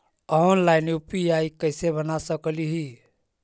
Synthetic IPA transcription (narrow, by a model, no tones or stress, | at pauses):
ɔɦənlajnjupiaikəɦsebənasəkliɦi